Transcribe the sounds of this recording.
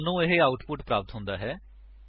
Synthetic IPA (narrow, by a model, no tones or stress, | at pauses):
nũːɪɦeaːʊʈpʊʈpɾaːpət̪ɦʊ̃nd̪aːɦɛː